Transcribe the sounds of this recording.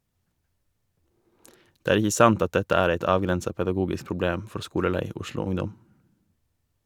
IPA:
ˈdeː ˈæːɾ ˈɪçə ˈsɑnt ˈɑt ˈdɛtə ˈæːɾ ˈeɪt ˈɑːʋɡɾɛnsɑ pɛdɑˈɡuːɡɪs pɾʊˈbleːm ˈfɔɾ ˈskuːləˌlæɪ ˈʊʃlʊ ˈʊŋdɔm

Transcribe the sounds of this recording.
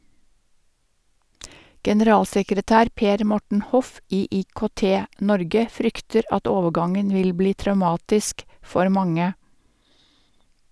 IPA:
ɡɛnəˈɾɑːlsɛkɾəˌtæːɾ ˈpeːɾ ˈmɔʈɳ̩ ˈhɔf ˈiː iːkoːˈteːˌnɔɾɡə ˈfɾʏktəɾ ˈɑt ˈoːʋəˌɡɑŋən ˈʋɪl ˈbliː tɾɑʉˈmɑːtɪsk ˈfɔɾ ˈmɑŋə

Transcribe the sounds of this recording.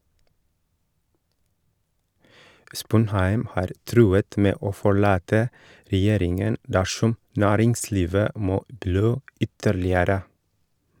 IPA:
ˈspʊnhæɪm ˈhɑːɾ ˈtɾʉːət ˈmeː ˈoː fɔˈɭɑːtə ɾɛˈjeːɾɪŋən ˈdæʃɔm ˈnæːɾɪŋˌsliːʋə ˈmoː ˈbɽøː ˈʏtəɭɪəɾə

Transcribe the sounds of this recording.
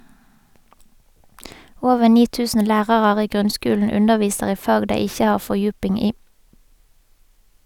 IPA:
ˈoːʋəʁ ˈniː ˈtʉːsən ˈlæːʁɑʁɑʁ ˈiː ˈɡʁʉnˌskʉːln̩ ˈʉnəʁˌʋiːsəʁ ˈiː ˈfɑːɡ ˈdeɪ ˈɪçə ˈhɑːʁ ˌfɔʁˈjʉːpɪŋ ˈiː

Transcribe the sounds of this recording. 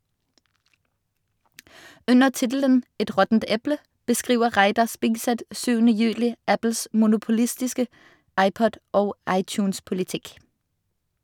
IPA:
ˈʉnəʁ ˈtɪtl̩ən ˈɛt ˈʁɔtn̩t ˈɛplə bəˈskʁiːʋə ˈʁæɪdɑʁ ˈspɪɡsɛt ˈsyːʋənə ˈjʉːlɪ ˈæpl̩s mʊnʊpʊˈlɪstɪskə ˈɑɪˌpɔd ˈoːɡ ˈɑɪˌtjʉːnspʊlɪˌtɪk

